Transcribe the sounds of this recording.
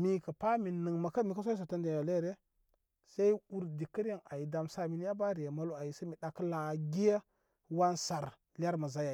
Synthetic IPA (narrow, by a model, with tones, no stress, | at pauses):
mi˦kə˨pa˦mi˨nɨ˨ŋma˨ka˦mi˨ka˦s̬a˦i˦s̬a˨ta˦nde˨ja˨le˦˨ɾe˦ | sa˦i˦u˦ɾdi˨kə˦ɾe˦ŋa˨ji˨da˨msa˨mi˨n˦ja˦ba˦ɾi˨ja˨ma˨˦lo˦a˨ji˨sa˦mi˨ɗa˨kə˦la˨ɡi˦ja˦ | wa˦nsa˨ɾ | lʲa˦ɾma˨za˨ja˨